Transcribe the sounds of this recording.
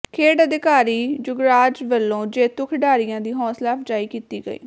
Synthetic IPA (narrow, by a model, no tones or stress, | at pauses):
kʰeːɖəd̪ɪkaːɾiːd͡ʒʊɡɾaːd͡ʒʋəlːõːd͡ʒeːt̪ʊkʰɖaːɾɪjãːd̪iːɦɔ̃ːslaːpʰd͡ʒaːiːkiːt̪iːɡə̰ḭː